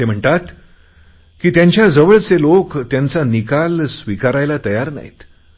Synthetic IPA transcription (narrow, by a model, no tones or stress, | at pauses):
em̤əɳʈ̪at̪ | kiːt̪jaɲt͡ɕjad͡zəʋəɭt͡selokt̪jant͡sanikalsʋikaɾajlat̪əjaɾna̰ɦḭt̪